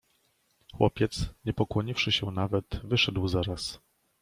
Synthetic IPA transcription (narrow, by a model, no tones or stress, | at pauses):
xwɔ̰pʲjɛt̪sɲɛpɔkwɔɲifʂɘɕɛnavɛt̪vɘʂɛd̪wzaɾas